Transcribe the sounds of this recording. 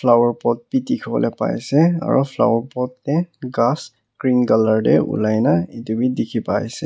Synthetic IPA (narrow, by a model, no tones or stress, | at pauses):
fʰlawɔɹpɔt̚pitikʰɔbɔ̰lɛpa̰jsɛa̰ɹṵpʰla̰wɔɹpɔtnɛɡas | kɹinɡalaɹdɛṵlajnaetubidikʰipajsɛ